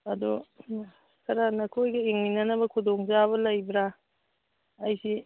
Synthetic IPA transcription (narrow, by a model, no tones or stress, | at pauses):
ɐdu | sʰɐɾanɐkʰojɡɐiŋninɐnɐbɐkʰudoŋzaβɐlɐjbɾa | ɐjsi